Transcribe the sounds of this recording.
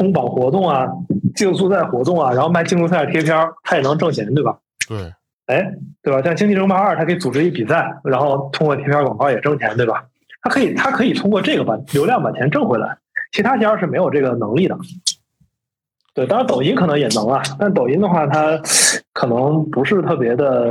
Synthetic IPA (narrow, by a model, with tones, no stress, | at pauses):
t̪ʰʊ˥ŋpɑ˨˩ŋxwɔ˧˥t̪ʊ˥˩ŋɐ˩t͡ɕjo˥˧ʊsu˥˧t͡sa˥˩ɪxwɔ˧˥t̪ʊ˥˩ŋɐ˩ɻa˧˥nxo˥˧ʊma˥˧ɪt͡ɕʰi˥ŋu˧˥sa˥˩t̪ʰjɛ˥pʰjt̪ʰa˥jɛ˨˩nɤ˧˥ŋʈ͡ʂɤ˥˩ŋt͡ɕʰjɛ˧˥nt̪we˥˩bɐ˩ | e˥˩ɪt̪we˥˩ba˩ɕjɑ˥˧ŋt͡ɕi˥ŋt͡ɕ̪ʰi˥˧ʈ͡ʂʰɤ˥ŋpa˞˥˩t̪ʰa˥kʰɤ˧˥i˧t͡su˨˩ʈ͡ʂɻ̩˥i˥˩pi˨˩sa˥˩ɪɻa˧˥nxo˥˧ʊt̪ʰʊ˥ŋkwɔ˥˧t̪ʰjpʰjkwɑ˨˩ŋkɑ˥˧˩jɛ˨˩ʈ͡ʂɤ˥˩ŋt͡ɕʰjɛ˧˥nt̪we˥˩bɐ˩ | t̪ʰa˥kʰɤ˧˥i˨˩t̪ʰa˥kʰɤ˧˥i˨˩t̪ʰʊ˥ŋkwɔ˥˧ʈ͡ʂɤ˥˩ɡə˩bɐ˨˩ljo˧˥ʊljɑ˥˩ŋpa˨˩t͡ɕ̪ʰjɛ˧˥nʈ͡ʂɤ˥˩ŋxwe˧˥ɪla̰˧˥ɪt͡ɕʰt̪ʰa˥t͡ɕʰjɛ˥a˞˥˧˩ʂɻ̩˥˩me˧˥ɪjo˨˩ʊʈ͡ʂɤ˥˩ɡə˩nɤ˧˥ŋli˥˩d̪ə̰˩ | t̪we˥˩ɪɑ˥ŋɻa˧˥t̪o˨˩ʊi˧˥nkʰɤ˨˩nɤ˧˥ŋjɛ˨˩nɤ˧˥ŋɐ˧t̪a˥˩nt̪o˨˩i˧˥nd̪ə˧xwa˥˩t̪ʰa˥kʰɤ˨˩nɤ˧˥ŋpu˧˥ʂɻ̩˥˧t̪ʰɤ˥˩p̬jɛ˧˥d̪ə˧